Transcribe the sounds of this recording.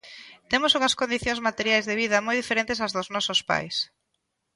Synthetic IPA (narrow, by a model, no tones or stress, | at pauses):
t̪emʊsuŋɐskond̪iθjõŋzmat̪eɾjajzðeβiðɐmojðifeɾẽnt̪ɪsɐzðʊznɔsʊspa̰js